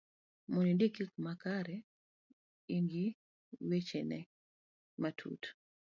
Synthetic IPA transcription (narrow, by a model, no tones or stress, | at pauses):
mɔɲindikikmakaɾɛ | iŋɡi | wet͡ʃɛnɛ | matʰṵt